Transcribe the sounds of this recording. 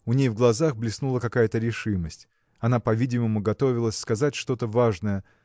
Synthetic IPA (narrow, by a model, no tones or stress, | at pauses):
ʊnʲejvɡlˠɐzaxblʲɪsnulˠəkɐkajət̪əɾʲɪʂɨməsʲtʲ | ɐnapɐvʲidʲɪməmʊɡɐt̪o̞vʲɪlˠəsʲskɐzatʲʂt̪o̞t̪əvaʐnəjə